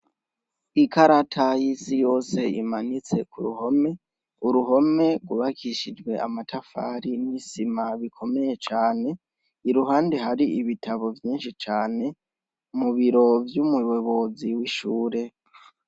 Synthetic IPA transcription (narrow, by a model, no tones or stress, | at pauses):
ikaɾatʰajisijo̞ːse̞ḭmanit͡se̞kuɾṵhome | uɾuɦo̞me̞ɡuβakʰiʃid͡ʒɡwe̞a̰matʰafa̰ːɾinisimaβikʰo̞me̞je̞t͡ʃaːne̞ | iɾuɦaːndeɦaɾiiβitʰaβo̞vjiːnʃit͡ʃaːne̞ | muβiɾo̞vjumuβeβo̞ziwiʃuːɾe̞